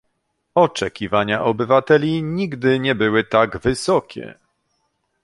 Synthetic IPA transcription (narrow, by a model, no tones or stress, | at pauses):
ɔt͡ʂɛkʲivaɲaʔɔbɘvat̪ɛlʲiɲiɡd̪ɘɲɛbɘwɘt̪aɡvɘsɔkʲʰɛ̰